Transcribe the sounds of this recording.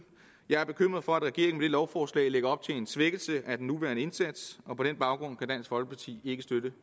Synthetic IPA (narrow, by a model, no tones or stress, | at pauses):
jɑ̈ɪæɐb̥e̝kʰøm̰ʁɐð̩ˠfɒ̽æd̥ʁɛɡ̥e̝̰ɐ̰eŋmed̥e̝lɒʊfɒːslɛ̰ɪleɡ̥ɐɒ̽b̥̚t͡sʰe̝le̝nsʋeɡ̥əl̩səʔæd̥enːuʋæɐnəe̝nsæd̥sɒ̽pʰɒ̽ɾenb̥ɑ̈ʊɡ̥ʁɔ̽n̰kʰæd̥æn̰sɡ̥fɒ̽lɡ̥əpʰɑ̈t͡sʰḭːe̝ɡ̥əsd̥ødə